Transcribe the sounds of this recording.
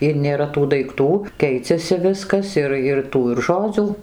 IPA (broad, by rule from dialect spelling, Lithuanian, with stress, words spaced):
ɪr nʲeːˈrɐ tuː dɐɪkˈtuː ˈkʲɛɪt͡sʲɛsʲɪ ˈʋʲɪskɐs ˈɪr ɪr ˈtuː ɪr ˈʒoːd͡zʲuː